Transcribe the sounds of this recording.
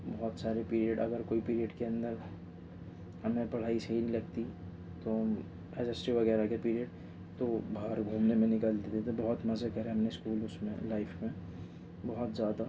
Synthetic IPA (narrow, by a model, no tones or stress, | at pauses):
bɔɦɔt̪saːɾepiːɾijəɖɐɡəɾkoːipiːɾiəɖkeɐ̃nd̪əɾ | ɦɐmẽpɐɽ̤aːiseɦinĩlɐɡt̪i | t̪om | ɛd͡ʒəsʈiʋɐɣɛːɾakepiːɾijəɖ | t̪obʱaːɾɡʱũːmnemẽnɪkəld̪et̪et̪obɐɦʊt̪mɐzəkɐɾeɦɐmneskuːlʊsmḛ̃laːɪfmẽ | bɔɦʊt̪zjaːd̪a